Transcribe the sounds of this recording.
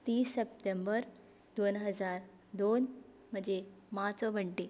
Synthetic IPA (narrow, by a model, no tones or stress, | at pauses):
t̪iːsep̚ʈembəɾ | d̪onɦəd͡zaɾ | d̪on | m̤əɳd͡ʑemat͡sɔbəɳʈe